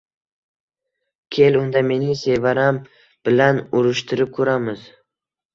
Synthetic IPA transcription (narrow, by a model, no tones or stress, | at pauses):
kʲʰe̞lʊnd̪ame̞nɪse̞vaɾam | b̥ɪlanʊɾɪʃt̪ʰɪɾɪp̚kʰɵɾamɪz̥